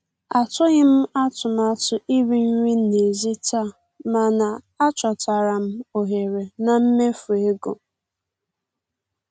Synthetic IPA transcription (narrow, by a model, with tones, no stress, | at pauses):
a˨tʊ˦ɣɪ˦m̩˦a˦tʊ˨ma˨tʊ˨ʔi˦ɾi˦ɾʷi˦ne˨zi˦ta˦˨ | ma˨na˨ | a˦t͡ʃɔ˨ta˨ɾa˨m̩˦o˨ɦe˨ɾe˨na˨m̩˦me˦fʊ˨e˦ɡo˨